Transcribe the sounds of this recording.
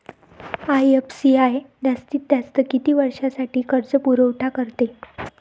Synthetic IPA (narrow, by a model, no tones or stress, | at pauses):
ajepsiajd̪ast̪iːt̪̚d̪jast̪əkit̪iːʋəɾʂasaʈiːkʰəɾt͡səpuɾəwʈʰakəɾt̪e